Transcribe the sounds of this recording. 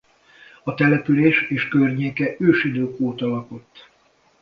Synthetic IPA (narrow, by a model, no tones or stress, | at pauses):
ɒt̪ɛlɛpyleːʃeːʃkørɲeːkɛʔøːʃid̪øːkoːt̪ɒlɒko̞t̪ː